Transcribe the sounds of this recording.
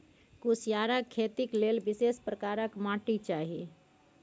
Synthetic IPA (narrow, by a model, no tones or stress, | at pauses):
kusʰjaɾəkʰːet̪iklelbisespɾəkaɾəkmãʈit͡ʃaɦi